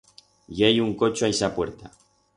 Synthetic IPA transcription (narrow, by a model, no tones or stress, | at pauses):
jejuŋkot͡ʃoajsapweɾt̪a